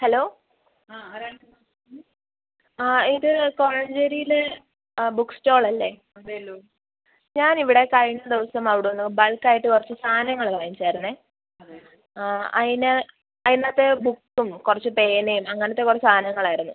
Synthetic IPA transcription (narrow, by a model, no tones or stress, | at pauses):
hɐlo̞ː | iðɨkorɐɲd͡ʑeɾijilɨ | bukːsto̞ːɭɐlːe̞ | ɐ | ɲaːniʋiɽe̞kɐjɳːɐd̪iʋɐsɐmɐʋiɽunːubɐɭkːaːjiʈːɨkurɐt͡ɕːɨsaːnɐŋːɐɭlajimt͡ɕeːɾunːe | ɐ̰ine | ɐðinaːt̪ːebukːumkurɐt͡ɕːɨpeːnejumɐŋːɐnɐt̪ːe̞kurɐt͡ɕːsaːnɐŋːɐɭaːjiɾunːu